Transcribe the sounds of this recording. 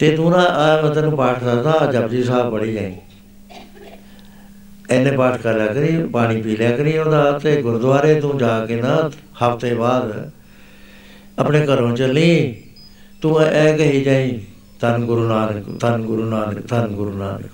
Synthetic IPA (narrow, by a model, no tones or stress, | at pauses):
t̪eːt̪ũːnãːʔɛ̃ːt̪ɛːnũːpaːʈʰɾəɾd̪aːd͡ʒəbd͡ʒiːsaːbpəɽiːd͡ʒãːĩː | ɛːnːẽːpaːʈʰkəljaːkəɾiːpaːɽ̃iːpiːljaːkəɾiːõːd̪aːt̪eːɡʊɾd̪ʋaːɾeːt̪ũːd͡ʒaːkeːnãː | həpʰt̪eːbaːd̪ | əpneːkəɾõːt͡ʃəlĩː | t̪ũːʔɛːkəɦiːd͡ʒaːĩː | t̪ənɡʊɾuːnaːnəkt̪ənɡʊɾuːnaːnəkt̪ənɡʊɾuːnaːnə̰k